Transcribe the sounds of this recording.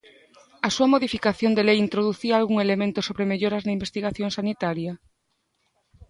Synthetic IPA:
ɐsuɐmoðifikaθjond̪elejint̪ɾoðuθiɐːlɣuŋelemẽnt̪ʊsoβɾemeʎoɾɐznɐimbest̪iɣaθjõŋsanit̪aɾjɐ

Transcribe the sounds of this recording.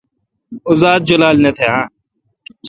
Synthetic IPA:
ʊzaːd̪̚d͡ʒɐlaːlnet̪ʰeãː

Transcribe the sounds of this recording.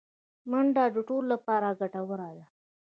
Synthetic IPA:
məɳɖɑd͡ʒuʈollapɑɾaɡaʈawəɾaja

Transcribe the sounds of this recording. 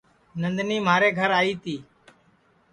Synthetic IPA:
nənd̪niːmaːɾeːɡʱəɾaːiːt̪ʰiː

